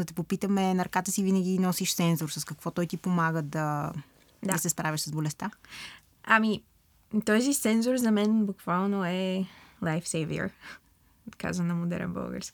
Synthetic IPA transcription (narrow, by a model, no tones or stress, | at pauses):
d̪ɐt̪ɛpopit̪əmɛnɐɾɐkat̪əsivinəɡʲinɔsiʃt̪sɛnzoɾsəskɐkvɔt̪ɔjt̪ipomaɡəd̪ɐ | d̪isɛspɾavʲiʃsəzbolɛst̪a | ami | t̪ɔzit̪sɛnzoɾzɐmɛnbukvalˠnoɛlˠajfsɛjvḭə̰ɾ | ka̰zvənɐmod̪ɛ̰ɾɛ̰nbə̰lˠɡə̰ɾskʲi̥